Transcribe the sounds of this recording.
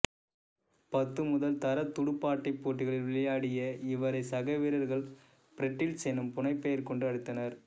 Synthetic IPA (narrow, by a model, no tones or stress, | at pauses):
pɐt̪ːɯmʊðɐlt̪ɐɾɐt̪ːʊɽɯpːaːʈːɐɪpːoːʈːɪɣɐɭɪlʋɪɭɐjaːɽɪjɐɪʋɐɾɐɪsɐɣɐʋiːɾɐɾɣɐɭ | pɪɾɛʈːɪlsɛnɯmpʊnɐɪpːɐjɐɾkɔɳɖɯɐɽɯt̪ːɐnɐɾ